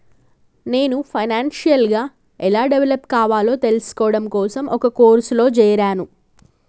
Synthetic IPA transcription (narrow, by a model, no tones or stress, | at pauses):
ne̞ːnupʰɐjnaːnʃijɐlɡaː | ɛlaːɖeʋelɐpkaːʋaːlo̞ːt̪e̞lɐsi̥kɔːɽɐmkɔːsɐmʔɔkɐkoːɾslo̞ːt͡ʃɛːjɐɾaːnu